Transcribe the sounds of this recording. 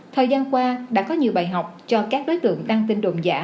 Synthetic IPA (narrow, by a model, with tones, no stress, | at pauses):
t̪ʰəː˨˩jzaː˧nkwaː˧ɗa̰ː˧˥kɔ˨˦ɲi˨˩əwɓaː˧˨˩jɦa˨˩wk͡p̚t͡ɕɔ˧kaː˦˥k̚ɗo˨˦jt̪ɨ̰˧˨əŋɗ̪aː˧ŋt̪ï˧nɗo̰˧˨ŋ͡mza̰ː˧˥